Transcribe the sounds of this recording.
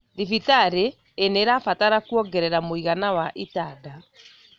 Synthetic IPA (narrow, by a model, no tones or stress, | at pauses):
ðifitaɾeː | neːɾafataɾakuɔɡɛɾɛɾamoiɣanawaʔitaːda